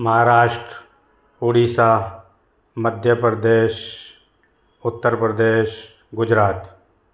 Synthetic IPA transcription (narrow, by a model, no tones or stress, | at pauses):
mɐɦaːɾaːʃʈɾ | oːɽiːsaː | məd̪ʱjəpɾəd̪eːʃ | ʊt̪ːəɾpɾəd̪eːʃ | ɡʊd͡ʒɾaːt̪